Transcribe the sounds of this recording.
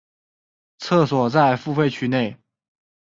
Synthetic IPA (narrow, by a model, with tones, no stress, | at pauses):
t͡sʰɤ˥˩swɔ˨˩t͡sa˥˧ɪfu˥˧fe˥˧ɪt͡ɕʰy˧˥ne˥˩ɪ